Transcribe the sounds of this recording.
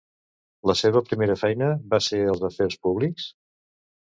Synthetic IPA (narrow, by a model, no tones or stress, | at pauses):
ləseβəpɾimeɾəfɛjnəβaseəlˠzəferspuβliks